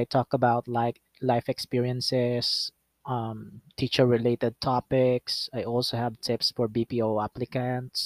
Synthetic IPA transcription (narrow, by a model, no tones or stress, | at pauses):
ajt̪ʰɔkəbaʊt̪laɪ | laɪfɛkspiɹiə̃nsɛs | ʔʌ̃mt̪ʰiːt͡ʃəɹɹɪleɪt̪ɛd̪̚t̪ʰɑpɪksajɔlsohævt̪ʰɪpsfɔɹbipioʊaplɪkə̃nt̪s